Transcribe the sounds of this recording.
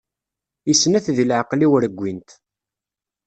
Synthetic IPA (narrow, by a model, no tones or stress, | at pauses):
isːnæθðlʕəqliwəɾəɡʷːint̪